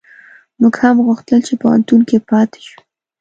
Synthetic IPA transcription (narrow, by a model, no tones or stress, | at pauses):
muɡhamɣuxt̪əlt͡ʃepawa̰nt̪unkepɑt̪e̥ʃu̥